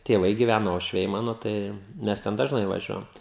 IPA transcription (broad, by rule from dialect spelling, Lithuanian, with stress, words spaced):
tʲeːˈʋɐɪ ɡʲiːˈʋʲænɐ uɔʃʲˈʋʲɛɪ ˈmɑːnoː ˈtɐɪ ˈmʲɛs ˈtʲɛn dɐʒˈnɐɪ ʋɐˈʒʲuɔjɛm